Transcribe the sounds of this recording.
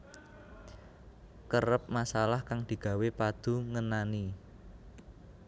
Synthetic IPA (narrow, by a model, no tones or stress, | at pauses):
kəɾəp̚masalahkaŋd̪̥i̤ɡ̥a̤wepad̪̥ṳŋənani